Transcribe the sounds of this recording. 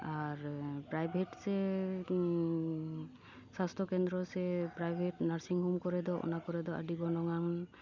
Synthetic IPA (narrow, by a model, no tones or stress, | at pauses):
aɾpɾajbʱeʈsɛ | sast̪ʰɔkɛnd̪ɾɔsɛpɾajbʱeʈnaɾsiŋɦumkɔɾɛd̪ɔʔɔ̰nakɔɾɛd̪ɔa̰ɖiɡɔnɔŋan